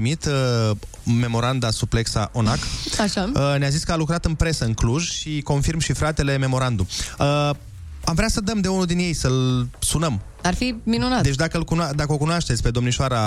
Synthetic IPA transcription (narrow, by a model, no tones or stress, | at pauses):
imit̪ə | me̞mo̞ɾand̪asuple̞ksa̰ʔo̞nakaʃaəneaziskəalukɾat̪ɨnpɾe̞səɨŋkluʒʃiko̞nfirmʃifɾat̪e̞le̞me̞mo̞ɾand̪uə | amvɾeasəd̪əmd̪e̞unud̪inje̞jsəlsunəm | arfiminunat̪d̪e̞t͡ʃʲd̪akəɨlkunad̪akəo̞kunoaʃt̪etsʲpe̞d̪o̞mniʃoaɾa